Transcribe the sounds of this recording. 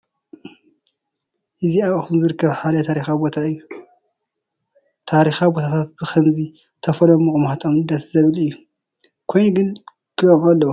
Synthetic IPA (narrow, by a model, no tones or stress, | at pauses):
ʔɨziaβɐxt̪unzɨɾɨkːɐβħad̪ɐt̪ʰaɾixabot̪ʰaɨjːu | t̪ʰaɾixabot̪ʰat̪ʰat̪̚b̥ɨxʰɐmzi | t̪ʰɐfɐlɐmuxʼumhat̪ʼomd̪ɐszɐβɨlɨjːu | kʰojnuɡɨn | kʰɨlomʕalːɐwu